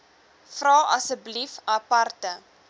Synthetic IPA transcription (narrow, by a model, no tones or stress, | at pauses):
frɑːʔɐsəblifɐpɐrtə